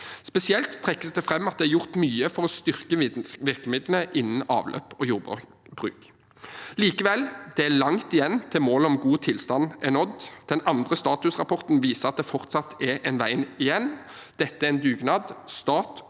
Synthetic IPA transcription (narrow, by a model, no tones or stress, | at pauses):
spɛsɪɛlt̪ʰːʁɛkːəsd̪ɛfʁɛmːɑt̪̚d̪ɛæɾʁjʊʁt̪myːəfɔʁɔst̪ʏʁkəʋɪʁkəmɪd̪lənəʔɪnn̩ɑ̰ːʋlʔø̰ːpoːjuːʁ | bʁʉ̰ːk | liːkəʋɛld̪̥ɛælɑŋt̪ɪjɛnːt̪ʰɪlmoːləɔmɡuːt̪ʰɪlst̪ɑnɛnɔd̪d̪̥ɛnɑnd̪ʁəst̪ɑːt̪ʉsʁɑpʰɔʁt̪n̩ʋiːsəɑt̪̚d̪ɛfɔʁt̪sɑt̪ʰɛɾʔɛnʋæɪnɪjɛnː | d̪̥ɛt̪ːəæɾɪnd̪ʉːɡnɑːd̪st̪ɑːt̪